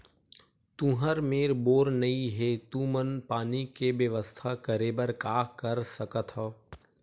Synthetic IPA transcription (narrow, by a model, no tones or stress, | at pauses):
t̪ũɦəɾmeːɾboːɾnɐiɦet̪ũːmənpaːnikebjəʋəst̪ʰakəɾeːbəɾkaːkəɾsɐkət̪ʰɦɔː